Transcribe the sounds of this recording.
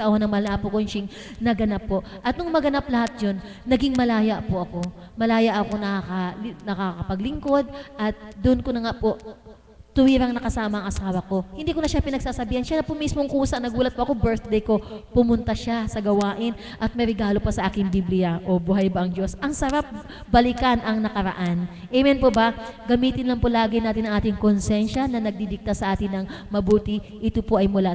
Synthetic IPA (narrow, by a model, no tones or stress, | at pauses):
sɐʔɐwɐnɐŋmɐlɐnaːpokonʃɪŋ | nɐɡɐnapːo̞ʔʔɐt̪̚nʊŋmɐɡɐnap̚lɐhat̪̚d͡ʒonːɐɡiŋmɐlaːjɐʔpoʔɐko̞ | mɐlaːjɐʔɐko̞nɐkakɐnɐkakɐpɐɡlɪŋko̞d̪̚ʔɐt̪̚d̪ʊʔnkonɐŋaʔpo̞ʔ | t̪ʊwiːɾɐŋnɐkɐsaːmɐʔɐŋʔɐsaːwɐko̞hɪnd̪iːkonɐʃapɪnɐɡsaːsɐbiːhɐnʃanɐpʊʔmismoŋkuːsɐnɐɡuːlɐt̪̚poʔɐko̞bɛɹθd̪ejko̞pʊmʊnt̪ɐʃasɐɡɐwaːʔɪn | ʔɐt̪̚mɐɾɛɡaːlo̞pɐsɐʔaːkɪŋbiblɪjɐʔo̞bʊɦajbɐʔɐŋd͡ʒo̞sʔɐŋsɐɾap̚ | bɐlɪkɐnʔɐŋnɐkɐɾɐ̰ʔan | ʔɛmɛnpobɐɡɐmiːt̪ɪnlɐŋpolaːɡɪnaːt̪ɪnɐŋʔaːt̪ɪŋkonsɛnʃɐnɐnɐɡ̚d̪id̪ɪk̚t̪ɐsɐʔaːt̪ɪnɐŋmɐbuːt̪ɪ | ʔɪt̪opoʔɐjmʊla